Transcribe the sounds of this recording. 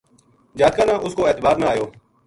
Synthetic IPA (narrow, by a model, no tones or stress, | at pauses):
d͡ʒaːt̪kãːnãːʔʊskoːeːt̪əbaːɾnãːjoː